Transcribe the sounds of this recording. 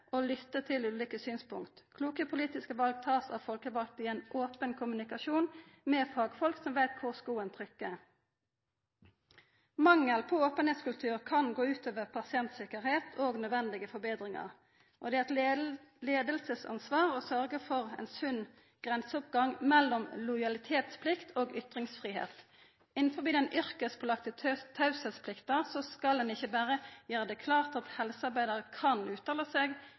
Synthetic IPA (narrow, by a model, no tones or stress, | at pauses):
ʔolʏt̪ːət̪ʰɪlʉːlikəsyːnspʊŋkt̪kʰluːkəpʰʊliːt̪ɪskəʋɑlɡ̚t̪ʰɑːsɑ̰ʋfɔlkəʋɑlk̚t̪ɪɛɪnʔoːpənkʰʊmʉnɪkɑʃuːnmeːfɑːɡfɔlksɔmʋæɪt̪kʰʊʁskuːənt̪ʰʁʏkːə | mɑŋːəlpʰɔoːpənheːt̪skʉlt̪ʰʉːʁkʰɑnɡoːʉːt̪ʰøːʋəʁpʰɑsɪɛnt̪sɪkəɾheːt̪ʰoːɡnœd̪ʋɛnd̪ɪɡəfɔbeːd̪ʁɪŋɑ̰ʁ | ʔɔd̪ɛæɛt̪leːd̪əlsəsɑ̰nsʋɑːʁɔsœʁɡəfɔʁɛ̰nsʉn | ɡ̥ʁɛnsəʊpɡɑŋmɛlːɔmlɔjɑlɪt̪ʰeːt̪spʰlɪkt̪ʰoːɡʏt̪ʁɪŋsfʁiːhḛːt̪ | ɪnn̩fɔbiːd̪ɛnʔʏʁkəspʰɔlɑkt̪ət̪ʰɑʉsət̪spʰlɪkt̪əʁsɔskɑld̪ɛnɪçəbæːʁəjøːʁəd̪ɛkʰlɑːʁt̪ɑt̪hɛlsəɑɾbæɪd̪əʁəkʰɑnʉːt̪ɑːləseːɡ